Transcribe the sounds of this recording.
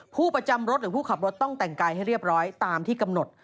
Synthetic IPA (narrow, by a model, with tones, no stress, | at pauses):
pʰuː˥˩pɾa˧t͡ɕa˧mɾo˦˥t̪̚ɾɯː˩˦pʰuː˥˩kʰa˨˩p̚ɾo˦˥t̪ːɔ˥˩ŋt̪ɛ˨˩ŋkaː˧jɦa˥˩jɾi˥˩əp̚ɾɔː˦˥jt̪aː˧mt̪ʰiː˥˩ka˧mno˨˩t̪̚